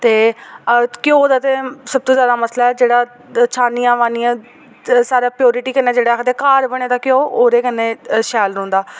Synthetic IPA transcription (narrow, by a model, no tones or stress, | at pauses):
t̪eː | kɪjõːd̪aːt̪eːsəb̚t̪õːzjaːd̪aːməslaːɛːd͡ʒeːɽaː | t͡ʃʰaːnijãːʋaːniːãː | saːɾaːpɪjoːɾɪʈiːkəneːd͡ʒeːɽaːkət̪eːkaːɾbəɽ̃ẽːd̪aːkɪjoːoːɾeːkənːeːʃɛːlɾõːnd̪aː